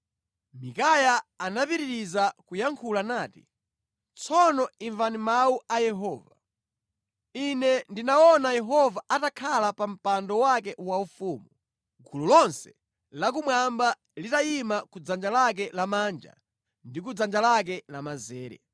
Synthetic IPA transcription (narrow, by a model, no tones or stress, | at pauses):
mikajaanapiɾiɾizakujaŋkʰulanaːti̥̰ | t͡sʰɔnɔiɱvanimauajɛɦɔːva | inɛndinaɔnajɛɦɔvaʔatakʰalapam̩pandɔwakɛwaufumu | ɡululɔnsɛ̥ | lak̬umwamba | litaimakud͡zand͡ʒalak̬ɛlamaːnd͡ʒa̰ | ndik̬ud͡zand͡ʒalak̬ɛlamazɛːɾɛ̰